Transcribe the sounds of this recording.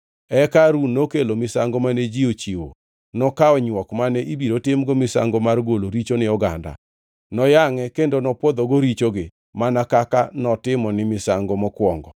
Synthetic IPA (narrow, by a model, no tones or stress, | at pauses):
ɛkaɾunːokelomɪsaŋɡɔmanɛd͡ʒiot͡ʃiwo̰ | nɔkaɔɲwɔkmanɛʔibiɾotɪmɡɔmɪsa̰ŋɡɔmarɡoloɾit͡ʃonɪɔɡa̰nda̰ | nɔjaŋɛkendonɔpwɔd̪oɡoɾit͡ʃoɡɪ | manakakanɔtɪmɔnɪmɪsaŋɡɔmɔkwɔŋɡɔ̰